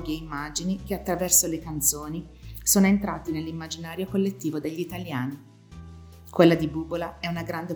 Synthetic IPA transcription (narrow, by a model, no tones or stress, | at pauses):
ɡeimːaːd͡ʒinik̟eat̪ːɾavɛrsolekant̪soːni | soːnoent̪ɾaːt̪inelːimːad͡ʒinaːɾjokolːet̪ːiːvod̪eʎːit̪aljaːni | kwelːad̪ibubolaɛunaɡɾand̪e